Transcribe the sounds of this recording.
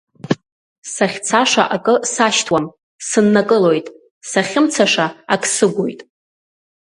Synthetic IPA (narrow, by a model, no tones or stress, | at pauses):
saχʲt͡sʰaʂa̰ʔakʼɨsaʃtʰwam | sɨnːakʼɨlojtʼ | saχʲɪmt͡sʰaʂaakʼʰsɨɡʷo̰jtʼ